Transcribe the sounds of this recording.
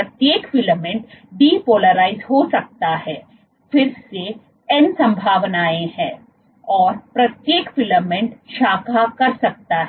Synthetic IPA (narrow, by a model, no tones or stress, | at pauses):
pɾɐt̪jeːkfɪləmɛ̃ɳʈɖiːpoːləɾaːɪzɦosɐk̚t̪aɦɛː | fɪɾse | ɛnsɐ̃mbʱaːʋnaːẽhɛ̃ː | ɔːɾpɾɐt̪jeːkfɪləmɛ̃ɳʈʃaːkʰakɐɾsɐk̚t̪aɦɛ